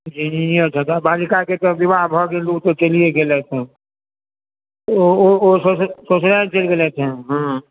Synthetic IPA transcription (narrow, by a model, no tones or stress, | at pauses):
d͡ʒininijəɾt͡ʃʰət̪abalikaket̪ɔbibaɦbʱɔɡelut̪ɔt͡ʃelijeɡelɛt͡ʃʰɛ | oososot͡ʃɾat͡ʃelɡelɛt͡ʃʰɛɦə̃